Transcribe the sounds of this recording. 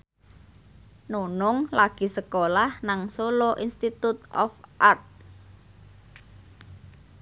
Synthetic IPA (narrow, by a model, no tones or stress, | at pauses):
nunʊŋlaɡ̥i̤səkolahnaŋsoloʔinst̪it̪ut̪̚ɔ̰fʔart̪̚